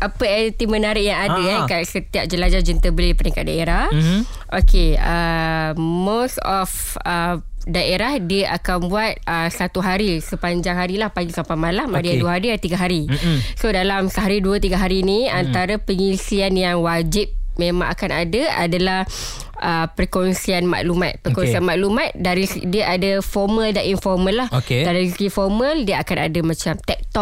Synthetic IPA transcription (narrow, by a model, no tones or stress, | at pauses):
ʔapəɛt̪imənaɾɪʔjaŋadakasət̪iap̚d͡ʒəlad͡ʒad͡ʒənt̪əbəlipənikat̚daeɾah | ʔokʰeə | mosɔfədaʔeɾahdiəʔakanbuat̪̚əsat̪uɦaɾisəpaɲd͡ʒaŋɦaɾilahpaɡisampamalamadiaduaɦaɾiat̪iɡaɦaɾisodalamsəɦaɾiduət̪iɡaɦaɾinĩant̪aɾapəŋisianjaŋwad͡ʒip̚memãŋakanadaa̰dalah | əpɾkɔnsianma̰ʔlumat̪̚pəkɔnsianmaʔlumat̪̚daɾisdiəʔadəfɔrmə̃ldaninfɔrmə̃lːahokedaɾisifɔrmə̃ldiəakana̰damãt͡ʃamt̪ɛk̚t̪ɔʔ̚